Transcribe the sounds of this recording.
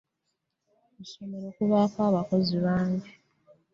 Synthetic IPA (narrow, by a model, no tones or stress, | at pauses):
eʃomeɾoːkuβaːkaːβako̞ziβaːɲɟi